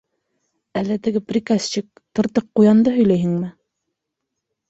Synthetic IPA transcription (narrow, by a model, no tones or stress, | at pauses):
ælːɛt̪ʰɪɡʲɪpɾɪkɑst͡ʃʰɪk̚t̪ʰɤ̆ɾt̪əqqːujɑnd̪ɑɦɵjlɛjɦɪŋmɪ